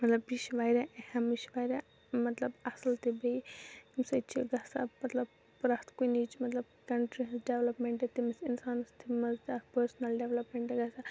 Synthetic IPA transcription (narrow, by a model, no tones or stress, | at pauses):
mɐt̪lɐbiʃʋajɾaʔhɐ̃miʃʋajɾa | mɐt̪lɐbɐsɐlt̪ibejimsɐt͡ʃʰiɡɐsamɐt̪lɐb | pɾast̪kuinit͡ʃʰimɐt̪lɐbkɐɳʈɾisɖeʋlɐpmeɳʈet̪imɐsinsaːnst̪ʰimɐzt̪apəɾsnɐlɖeʋlɐpmẽɳʈeɡɐsa